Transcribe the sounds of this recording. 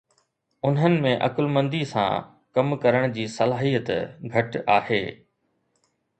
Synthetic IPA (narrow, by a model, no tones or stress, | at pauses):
ʊnɦənɪ̆mẽʔɐ̰kʊlmə̃nd̪isã̰ː | kɐmkɐɾəɽ̃d͡ʑiːsɐlaːɦijət̪ɡʱɐʈa̰ːhḛː